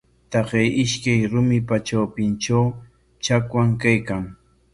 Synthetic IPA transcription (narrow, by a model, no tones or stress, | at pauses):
t̪ɑqejʔɪʃkajɾʊmɪpat͡ʃawpɪnt͡ʃaw | t͡ʃakwaŋkajkaŋ